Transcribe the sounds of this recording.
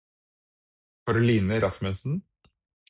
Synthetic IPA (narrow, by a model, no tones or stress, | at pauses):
fɔːɾɖʉliːnəɾɑsmʉsn̩